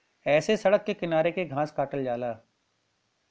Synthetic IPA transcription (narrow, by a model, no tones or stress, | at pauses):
ɛːsesɐɽəkːekɪnaːɾekeɡʱãːskaːʈəld͡ʒaːlaː